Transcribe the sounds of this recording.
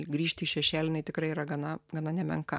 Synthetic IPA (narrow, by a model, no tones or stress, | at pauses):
ɡɾʲiːʃʲt̪ʲɪiːʃʲɛʃʲæːlʲɪnɐɪt̪ʲɪkɾɐɪiːɾɐɡɐnɐɡɐnɐnʲɛmʲɛ̰ŋkɐ̰